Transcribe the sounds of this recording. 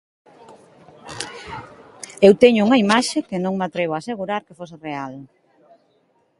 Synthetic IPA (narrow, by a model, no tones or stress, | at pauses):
ewt̪eɲʊuŋɐimaʃekenõŋmat̪ɾeβ̞oaːseɣuɾaɾkefosereal